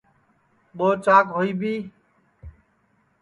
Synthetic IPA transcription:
ɓoːt͡ʃaːkɦoːiːbʱiː

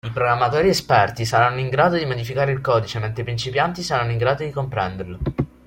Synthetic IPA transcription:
ipɾoɡɾamːat̪oːɾiespɛrt̪isaɾanːoiŋɡɾaːd̪od̪imod̪ifikaːɾeilkɔːd̪it͡ʃement̪ɾepɾint͡ʃipjant̪isaɾanːoiŋɡɾaːd̪od̪ikompɾɛnd̪erlo

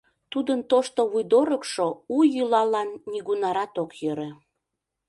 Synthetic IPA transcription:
t̪ud̪ənt̪oʃt̪oβujd̪oɾəkʃoujylɑlɑnːiɣunɑɾɑt̪okjøɾe

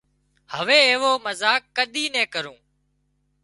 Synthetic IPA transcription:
həʋeːeːʋoːməzaːkːəɗ̪iːnɛ̃ːkəɾũː

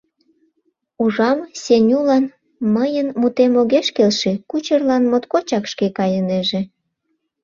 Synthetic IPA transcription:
uʒɑmsʲenʲulɑn | məjənmut̪emoɣeʃkelʃekut͡ɕərlɑnmot̪kot͡ɕɑkʃkekɑjəneʒe

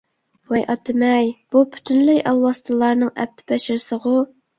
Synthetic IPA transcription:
wɛjʔɑt̪ʰɨmɛjb̥upʰy̥t̪ʰynlæjʔɑlˠwɑst̪ʰɨlˠɑɾnɨŋɛ̰p̚t̪ʰɪ̥pʰɛʃɪɾsəʁʊ

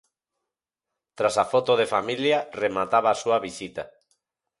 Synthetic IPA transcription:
t̪ɾasafot̪oðefamiljaremat̪aβaːsuaβisit̪a

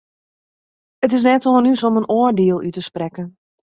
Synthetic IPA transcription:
ət̬ɪs̬nɛtoːənysomənʔoərdeəlˠytəsprɛkən

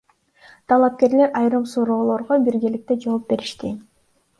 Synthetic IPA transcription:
t̪ʰɑlˠɑp̚ke̞ɾle̞ɾɑjɾɯmsuɾo̞ːlˠo̞ɾʁobiɾɡelik̚t̪e̞d͡ʒo̞ːp̚be̞ɾiʃt̪i

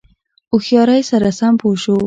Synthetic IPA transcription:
ʊxjɑɾajsaɾasampoʃo

